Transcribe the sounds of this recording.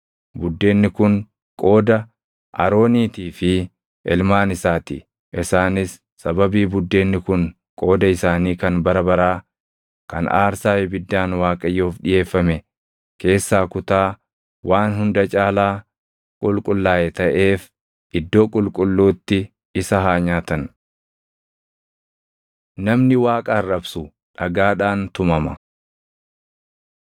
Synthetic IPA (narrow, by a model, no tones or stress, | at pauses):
bʊd̪ːe̞ːnːɪkʊn | kʼo̞ːd̪ɐ | ʔɐ̰ɾo̞ːniːt̪iːfɪ | ʔɛlmaːnɪsaːt̪ɪ | ʔɪsaːnɪsːɐbɐbiːbʊd̪ːe̞ːnːɪkʊŋ | kʼo̞ːd̪ɐɪsaːniːkɐnbɐɾɐbɐɾaː | kɐ̰na̰ːɾsaːɛbɪd̪ːaːnwaːkʼɐjːoːfᶑɪje̞ːfːɐmɛ | ke̞ːsːaːkʊt̪aː | wʔaːnɦʊnd̪ɐt͡ʃʼaːlaː | kʼʊlkʼʊlːaːɛt̪ɐʔe̞ːf | ʔɪd̪ːo̞ːkʼʊlkʼʊlːuːt̪ːɪ | ɪsɐɦaːɲaːt̪ɐn | nɐmnɪwaːkʼɐɐrːɐbsʊ | ᶑɐɡaːᶑaːnt̪ʊmɐmɐ̰